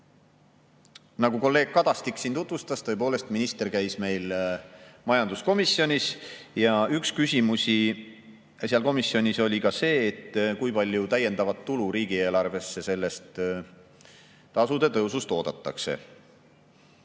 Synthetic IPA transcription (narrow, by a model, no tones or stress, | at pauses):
nɑɡ̥uko̞lːe̞ːɡ̥̚kɑd̪̥ɑst̪iksint̪ut̪vust̪ɑst̪ɤ̞ep̬oːle̞st̪minist̪e̞rkæjsme̞jl | mɑjɑnd̪usko̞misːjo̞nʲisjɑykskysʲimusʲi | seɑlko̞misːjo̞nʲiso̞lʲikɑse̞ːt̪ːkujpɑlʲjut̪æjːe̞nd̪̥ɑvɑt̪ːuluɾiːɡ̥ie̞ːlɑrve̞sːe̞se̞lːe̞st̪ | ɑsud̪̥e̞t̪ɤ̞wsust̪o̞ːd̪̥ɑt̪ˑːɑ̰kse̞̰